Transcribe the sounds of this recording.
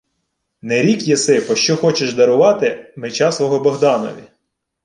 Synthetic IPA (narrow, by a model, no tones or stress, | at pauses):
nɛɾʲikjesɪpɔʃt͡ʃɔxɔt͡ʃeʃd̪ɐɾʊʋɑt̪ɪmet͡ʃɑsʋɔɦɔbɔɦd̪ɑnɔ̰ʋʲi